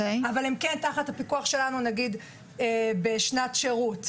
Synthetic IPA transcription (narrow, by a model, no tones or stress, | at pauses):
eavalimkentaχathapikuaχʃe̞lanunaɡid̪ | ebeʃnatʃe̞ʁut